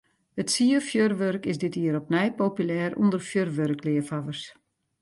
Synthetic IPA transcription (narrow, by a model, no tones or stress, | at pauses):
ətsiəfjørʋørkɪsdɪtiːəɾɔp̚nɛjpopylɛːrṵndərfjørʋørklɪəfaʋərs